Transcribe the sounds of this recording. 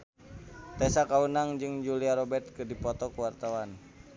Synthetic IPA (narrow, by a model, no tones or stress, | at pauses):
t̪ɛsakaunaŋd͡ʒɨŋd͡ʒuliaɾɔbɛrt̪̚kɨrdipɔt̪ɔkuwart̪awan